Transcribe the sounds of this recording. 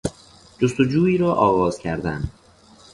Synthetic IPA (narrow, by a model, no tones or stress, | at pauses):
d͡ʒost̪o̞d͡ʒuːiːɾɒːʔɒːɣɒːz̥cʰæɾd̪æn